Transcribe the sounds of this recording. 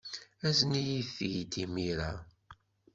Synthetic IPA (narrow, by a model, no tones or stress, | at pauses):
æznijiθːijit̪imiɾa